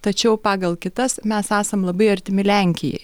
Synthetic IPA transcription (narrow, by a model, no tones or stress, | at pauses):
t̪ɐt͡ʃʲɛʊpɑːɡɐlˠkʲɪt̪ɐsmʲɛsæːsɐmlˠɐbɐɪɐɾʲt̪ʲɪmʲɪlʲæˑŋʲkʲɪjɛ̰ɪ